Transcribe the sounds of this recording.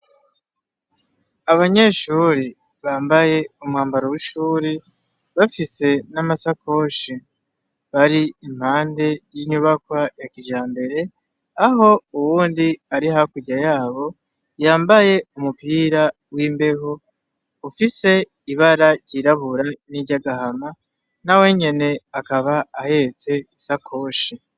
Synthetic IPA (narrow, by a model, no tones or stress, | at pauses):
aβaɲe̞ːʃuɾi | βaːmbaje̞umhaːmbaɾowiʃuːɾi | βafise̞namasakʰo̞ʃi | βaɾiim̥haːnde̞jiɲuβakwajakiʒaːmbe̞ɾe̞ | aɦo̞uwuːndiaɾiɦakuɟajaːβo̞ | jaːmbaje̞umupiːɾa | wiːmbe̞ɦo̞ | ufise̞ | iβaɾaɟiɾaβuɾaniɟaɡahama | nawe̞ɲe̞ne̞akaβaːhe̞t͡se̞isakʰo̞ːʃi